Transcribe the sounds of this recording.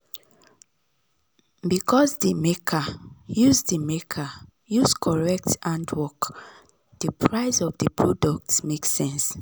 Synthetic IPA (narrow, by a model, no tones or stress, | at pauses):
bikʰɔzdimekʰajuzdimekʰa | juskʰɔɹɛk̚tãndwɔk | d̥əpʰɹaɪsɔvdəpʰɹɔduk̚tmeksːɛ̃ns